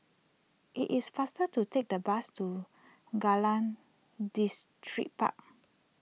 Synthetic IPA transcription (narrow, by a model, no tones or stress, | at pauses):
ʔḭʔisfastətutʰek̚dəbastu | ɡalãn | distʰɹḭk̚pa̰k̚